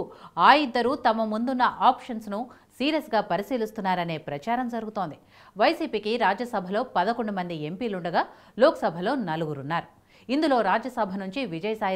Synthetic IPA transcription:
aːjid̪ːɐɾuːt̪ɐmɐmund̪unːɐʔaːpʂɐnsnu | siːɾɐsɡaːpɐɾisiːlist̪unːaːɾɐne̞ːpɾɐt͡ʃaːɾɐmd͡ʒɐɾuɡut̪oːnd̪i | ʋɐjsiːpiːkiɾaːd͡ʒjɐsɐbʱɐlo̞ːpɐd̪ɐkoɳɖumɐnd̪ie̞mpiːluɳɖɐɡaː | loːkɐ̥sɐbʱɐlo̞ːnɐluɡuɾunːaːɾu | ind̪ulo̞ːɾaːd͡ʒɐsɐbʱɐnuɲt͡ʃiʋid͡ʒɐjɐsaːj

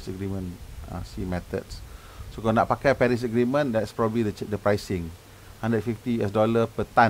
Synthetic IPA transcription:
səɡɾimə̃nã̰simɛt̪ə̰t̚s | sokɔ̃naʔ̚pakajpɛɾis̬əɡɾimə̃ndɛtspɹɔbəblidət͡ʃɛk̚dəpɾajsɪ̃ŋ | hãndət̚fift̪iɛsdɔləpət̪ã

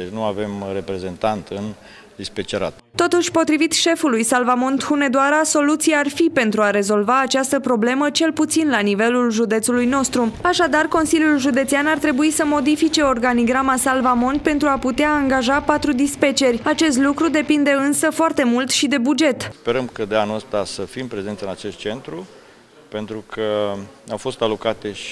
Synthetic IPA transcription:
d̪et͡ʃnua̰ve̞mrepɾezent̪ant̪ɨn | d̪ispet͡ʃeɾa̰t̪ | t̪o̞t̪uʃʲpo̞t̪ɾivit̪ʃe̞fulujsalvamo̞nt̪xune̞d̪oaɾaso̞lut̪sijaarfipe̞nt̪ɾuaɾe̞zo̞lvaːt͡ʃast̪əpɾo̞ble̞mət͡ʃe̞lput̪sinlanive̞lulʒud̪e̞t̪sulujno̞st̪ɾuaʃad̪arko̞nsilʲjulʒud̪e̞t̪sianart̪ɾe̞buisəmo̞d̪ifit͡ʃe̞o̞rɡaniɡɾamasalvamo̞npe̞nt̪ɾuaput̪eaːŋɡaʒapat̪ɾud̪ispet͡ʃe̞rʲat͡ʃe̞s̬t̪lukɾud̪e̞pind̪e̞ɨnsəfoart̪e̞mult̪ʃid̪e̞bud͡ʒe̞t̪spe̞ɾəmkəd̪eanuəst̪asəfimpɾe̞ze̞nt̪sɨnat͡ʃe̞st̪̚t͡ʃe̞nt̪ɾu | pe̞nt̪ɾukʰəawfo̞st̪alo̞kat̪eʃ

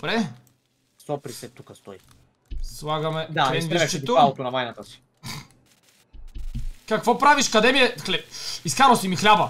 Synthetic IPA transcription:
bɾɛ | sɔpɾisɛt̪ukəst̪ɔi | sslˠaɡɐmɛd̪aɾɛnviɛt͡ʃɛt̪oalˠot̪onɐvajnat̪əsi̥ | kakvɔpɾaviʃkɐd̪ɛmiɛklɛiskaɾosimixlʲabɐ

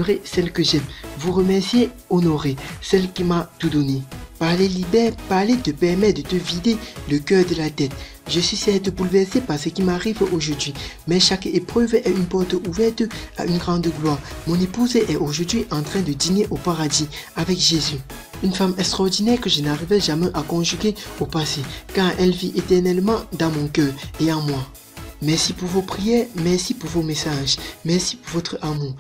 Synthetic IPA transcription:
ʁesɛlkəʒɛmvuʁəmɛʁsje | onoʁesɛlkʲimat̪ud̪ɔnepaʁlelibɛpaʁlet̪əpɛʁmɛd̪ət̪əvid̪eləkœʁd̪əlat̪ɛt̪ | ʒəsɥisɛt̪əbulvɛʁsepaʁsəkʲimaʁivoʒuʁd̪ɥimɛʃakepχøvɛynpɔʁt̪uvɛʁt̪a̰ʔynɡʁɑ̃d̪əɡlwaːʁmɔ̃nepuzʔɛʔoʒuʁd̪ɥiʔɑ̃t̪χɛ̃d̪əd̪ineʔopaʁad̪iavɛkʒezy | ynfamɛkst̪χɔʁd̪inɛʁkəʒənaʁivɛʒamɛʔakɔ̃ʒyɡʲeopasekɑ̃ʔɛlviʔet̪ɛʁnɛlmɑ̃d̪ɑ̃mɔ̃kœːʁeɑ̃mwa | mɛʁsipuʁvopχijɛːʁmɛʁsipuʁvomesaʒmɛʁsipuʁvɔt̪χəamuːʁ

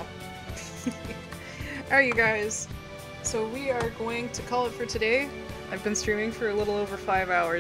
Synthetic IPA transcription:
əɹjɨɡaɪz̥ | soʊwiə˞ɡoʊɪ̃ŋtʰɨkʰɔlˠətfə˞tʰɨdeɪ | aɪvbɨ̃nstɹ̥ĩmɪ̃ŋfə˞ɨlɪɾl̩ˠoʊvə˞faɪvaʊə˞

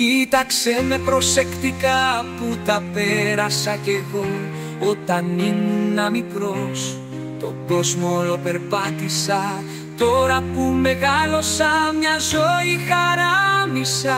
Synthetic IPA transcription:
cit̪ɐkse̞me̞pɾo̞se̞kt̪ikɐput̪ɐpeɾɐsɐce̞ɣo | ot̪ɐninːɐmikɾo̞s | t̪o̞ɡo̞zmolo̞pe̞ɾpɐt̪isɐ | t̪o̞ɾɐpume̞ɣɐlo̞sɐmɲɐzo̞ixɐɾɐmisɐ

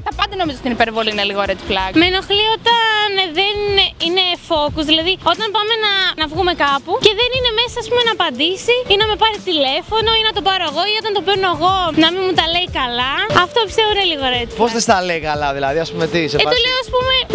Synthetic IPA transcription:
t̪ɐpɐnd̪eno̞mizot̪inipeɾvo̞liineliɣoɾet͡s̪plɐkmenoxlio̞t̪ɐnðenine̞fo̞kuzðilɐðio̞t̪ɐnpɐme̞nɐnɐvɣume̞kɐpuce̞ðenine̞me̞sɐːspume̞nɐːpɐnd̪isiinɐme̞pɐɾit̪ile̞fo̞no̞inɐt̪o̞pɐɾoeɣo̞io̞t̪ɐnt̪openeɣo̞nɐminmut̪ɐle̞ikɐlɐɐft̪o̞epist̪e̞voineliɣo̞ɾet͡s̪pozðest̪ɐleikɐlɐðilɐ̰ðiɐspumet̪isetoleoɐspume̞

